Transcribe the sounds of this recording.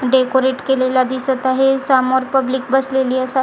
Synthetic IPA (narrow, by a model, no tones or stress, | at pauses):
ɖekoɾeʈkelelad̪isət̪aɦesamɔɾpəblik̚bəsleliːəsa